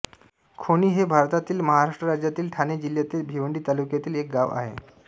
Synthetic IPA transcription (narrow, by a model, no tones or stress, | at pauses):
kʰoɽ̃iːɦebʱaɾt̪at̪iːlməɦaɾaʂʈɾəɾad͡ʑjat̪iːlʈʰaned͡ʑiljat̪iːlbʱiʋəɳɖiːt̪alukjat̪iːlek̚ɡaʋa̰ɦḛ